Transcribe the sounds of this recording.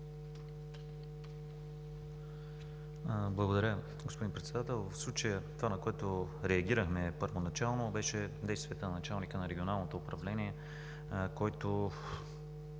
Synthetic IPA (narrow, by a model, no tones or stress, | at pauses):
blˠəɡod̪ɐɾʲə | ɡospod̪inpɾɛt̪sɛd̪at̪ɛlˠvɐfslˠut͡ʃəjət̪ovanɐkoɛt̪o | ɾɛɐɡʲiɾəxmɛpəɾvonɐt͡ʃalˠnobɛʃɛd̪ɛjst̪vijɛt̪ənnɐt͡ʃalˠnikənɐɾɛɡʲionalˠnot̪oːpɾɐvlɛniɛ | kɔjt̪o